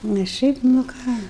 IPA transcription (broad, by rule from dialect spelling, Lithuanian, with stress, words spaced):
nʲɛs ˈʃʲɛɪp nʊ ˈkɑː